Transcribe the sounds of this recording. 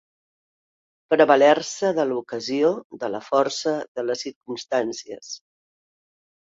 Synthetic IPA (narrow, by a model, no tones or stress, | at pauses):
pəɾəβəlɛɾsəðəlukəzioðələfɔɾsəðələsːiɾkumst̪ansiəs